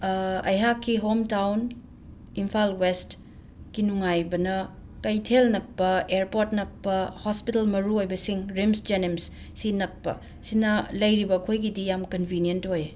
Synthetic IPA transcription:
ɐ̰jɦakʰːiɦomtawn | impʰalwest | ɡ̥inuŋajbɐnɐ | kɐjtʰelnɐk̚pɐeɾpoɾtnɐk̚pɐhospitɐlmɐɾuojbɐsiŋɾimsd͡ʒenemsː | inɐk̚pɐ̰ | sinɐlɐjɾibɐkʰojɡidijamkɐnbʱinijentoje

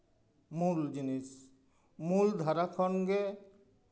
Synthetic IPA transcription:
muld͡ʒinis | muld̪ʱaɾakʰɔnɡɛ

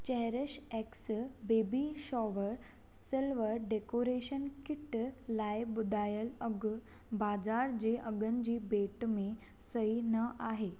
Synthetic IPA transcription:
t͡ɕɛɦɾəɕɛksbebiɕɔʋəɾ | səlʋəɖekoɾeɕənkiʈlajbud̪ajələɡ | bad͡zaɾd͡ʑeʔəɡənd͡ʑiːbeʈme | səinəʔaɦe

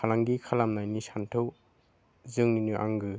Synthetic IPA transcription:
kʰalaŋɡikʰalamnajnisantʰɯw | zɯŋninuʔa̰ŋɡɯ

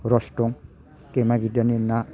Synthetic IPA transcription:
ɾɔstɔŋ | kemaɡidanina

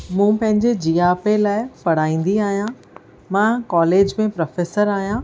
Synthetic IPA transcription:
mũːpɐ̃ɦɪ̃ɲd͡ʑed͡ʑijaːpelaːɪpɐɽ̤aːĩːn̆d̪iaːɦijã | mãkɔːleːd͡ʑmẽpɾɐfeːsəɾaːɦijã

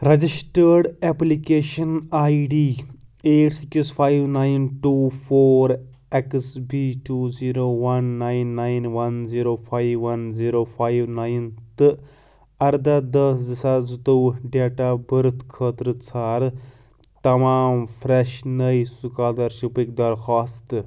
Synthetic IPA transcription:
ɾɐd͡ʒisʈəːɖeplikeːʃɐnaːiɖiːeːʈsikspʰaːjʋnaːinʈuːpʰoːɾ | eksbiːʈuːziːɾoːʋɐnːaːinːaːinʋɐnziːɾoːpʰaːjʋʋɐnziːɾoːpʰaːiʋnaːjnt̪ɨ | ɐɾd̪ɐd̪ɐszɨsazt̪owɖeːʈaːbəɾt̪ʰkʰəːt̪ɾɨt͡sʰaːɾ | t̪ɐmaːmfɾeʃnəisukaːd̪ɐɾʃipik̚d̪ɐɾxaːst̪

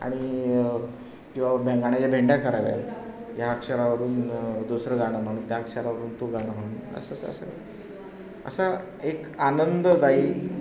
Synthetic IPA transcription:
a̰ɽ̃i | kĩw̃ʋabʱeŋɡaɽ̃at͡ɕabʱeɳɖjakəɾaʋja̰ljakʂəɾaʋəɾuːnd̪usɾəɡaɽəm̤əɽ̃uːnt̪jakʂəɾaʋəɾuːnt̪uɡaɽ̃əɦəɽnə̰səsə̰sə | ə̰sa | ekanənd̪əd̪aiː

